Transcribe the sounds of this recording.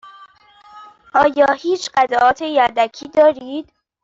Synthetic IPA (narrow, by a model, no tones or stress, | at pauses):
ʔɒːjɒːhiːt͡ʃʰɢæzɒːɒːt̪ʰejæɾd̪ækʰiːd̪ɒːɾiːd̪̥